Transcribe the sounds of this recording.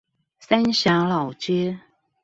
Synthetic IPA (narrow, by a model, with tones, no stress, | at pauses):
sa˥nɕja˧˥ŋlɑ˨˩ʊt͡ɕɥɛ˥